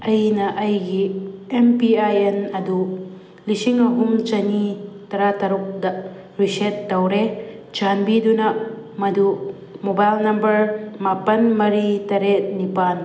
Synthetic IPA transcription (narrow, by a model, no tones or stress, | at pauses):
ɐjnɐʔɐjɡiempiajenɐdu | lisiŋɐɦumt͡ʃɐnitɐɾatɐɾuk̚dɐ | ɾisetːɐwɾet͡ʃanbidunɐmɐdu | mobajlnɐmbɐɾmapɐnmɐɾitɐɾet̚nipan